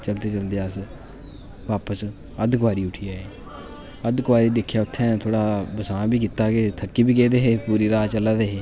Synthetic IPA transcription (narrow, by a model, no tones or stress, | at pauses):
t͡ʃəlt̪eːt͡ʃəld̪eəs | ʋaːpəs | əd̪kʋaːɾiːʊʈʰiːaːeː | əd̪kʋaːɾiːd̪ekʰːjaːʊt̪ʰːɛ̃ːt̪ʰoːɽaːbəsãːbiːk̬it̪aːkeːt̪ʰəkːiːbiːkeːd̪eːɦeːpuːɾiːɾaːt͡ʃəlaːd̪eːɦeː